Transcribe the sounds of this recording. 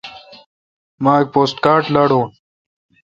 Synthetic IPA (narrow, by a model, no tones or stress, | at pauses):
maːek̚poːsʈkaːɾʈlaɽõː